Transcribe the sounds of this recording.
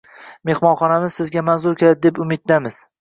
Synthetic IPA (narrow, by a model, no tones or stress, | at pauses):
me̞hmɒnχɒnamɪz̥sɪzɡʲamanzʊɾkʲelad̪ɪd̪epʊmɪt̪̚d̪amɪz̥